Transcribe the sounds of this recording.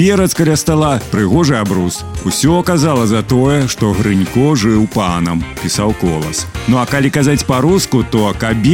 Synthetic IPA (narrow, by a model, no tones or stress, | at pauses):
ɛɾɐt̪skalʲast̪alˠapɾɨɣɔʐɨjabɾususʲɔkazalˠɐzɐt̪ɔjɛʂt̪ɔɣɾɨnʲkɔʐɨwpanɐmpʲisawkɔlˠɐ̰snuɐkalʲikazat͡sʲpaɾuskut̪ɔkabʲ